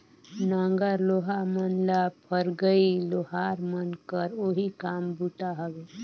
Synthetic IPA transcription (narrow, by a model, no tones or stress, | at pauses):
nãːŋɡəɾloːɦamənlapʰəɾɡəiloːɦaːɾmənkəɾoɦikaːmbuʈaɦəɡe